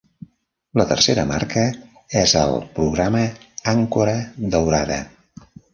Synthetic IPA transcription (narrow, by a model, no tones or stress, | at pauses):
lət̪ə̰rseɾəmaɾkə | ɛzə̰lˠpɾuɣɾaməaŋkuɾəd̪əwɾaðə̰